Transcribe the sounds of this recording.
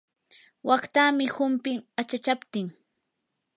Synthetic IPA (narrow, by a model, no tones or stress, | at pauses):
wakt̪aːmɪhʊmpɪŋat͡ʃat͡ʃapt̪ɪŋ